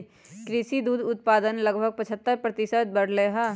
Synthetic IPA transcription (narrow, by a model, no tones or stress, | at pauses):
kɾɪʃid̪uːd̪ʊt̪̚paːd̪ənləɡbʱəɡ̚pɐt͡ʃʰət̪ːəɾpɾət̪ɪsəd̪̚bəɽ̤leɦa